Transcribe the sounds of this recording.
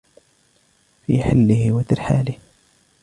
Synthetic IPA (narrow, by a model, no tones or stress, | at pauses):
fiːħɪlːɪhɪwat̪ɪɾħaːlɪh